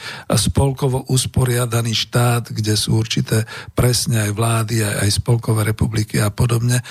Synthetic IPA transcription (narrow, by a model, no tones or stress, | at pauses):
spɔlkɔʋɔʔuspɔɾɪad̪aniːʃt̪aːd̪ɡɟɛsṵːuɾt͡ʃit̪ɛːpɾɛsɲɛajʋlaːd̪iaa̰jspɔlkɔʋɛːɾɛpublikiapɔd̪ɔbɲɛ